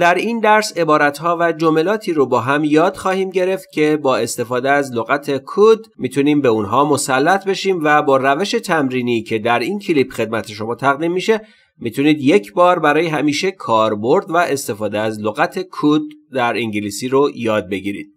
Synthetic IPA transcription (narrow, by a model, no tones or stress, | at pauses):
d̪æɾind̪æɾse̞bɒːɾæt̪hɒːvæd͡ʒome̞lɒːt̪ʰiːɾobɒːɦæmjɒːd̪̥xɒːhiːmɟe̞ɾe̞ft̪̚cʰe̞bɒːe̞st̪e̞fɒːd̪eæzloɣæt̪ʰekʰud̪ | mit̪ʰuniːmbeunɦɒːmo̞sælːæt̪ʰbe̞ʃiːmvæbɒːɾæveʃe̞t̪ʰæmɾiːnicʰe̞d̪æɾincʰiliːpxe̞d̪̚mæt̪ʰeʃo̞mɒːt̪ʰæɣd̪iːmːiʃe̞ | mit̪ʰuniːd̪je̞cʰbɒːɾbæɾɒːjeɦæmiːʃe̞kʰɒːɾbo̞ɾd̪væʔe̞st̪e̞fɒːd̪eæzloɣæt̪ʰe̞kʰud̪ːæɾiŋɟiliːsiːɾojɒːd̪̚be̞ɟiɾḭd̪